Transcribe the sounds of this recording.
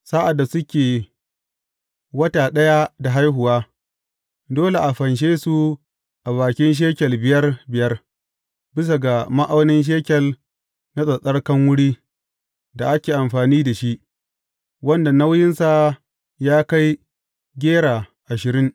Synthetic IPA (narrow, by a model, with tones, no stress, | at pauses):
sa˦ʔa˨dːa˨sʊ˦kʲeː˨ | wɐ˦taː˨ɗɐ˦ja˦da˨ɦa˦jɦʊ˨waː˦ | doː˦le˨ʔa˨ɸɐ˨nʃ̬eː˦su˦ | ʔa˨βaː˨kʲɪ˦nʃ̬eː˦kʲɛ˨lbɪ˨jɐ˦rbɪ˨jɐ˦r | bɪ˦s̬a˨ɡa˨ma˦ʔa˦wnɪ˦nʃ̬eː˦kʲɛ˨l | na˦sʼɐ˨sʼɐ˦rkɐ˦ŋwʊ˦ɽiː˦ | da˨ʔa˦kʲeː˨ʔa˨mɸaː˨niː˦da˨ʃi˦ʔ | wɐ˦nda˨na˦wjɪ˦nsa˨ | jaː˦ka˦j | ɡʲeː˦ɽaː˨ʔa˨ʃɪ˨ɾɪ˦ŋ